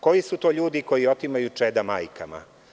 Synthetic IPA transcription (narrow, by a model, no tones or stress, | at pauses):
ko̞jisut̪o̞ːʎuːd̪iko̞jio̞t̪imajut͡ʂɛd̪amaːjkʰama̰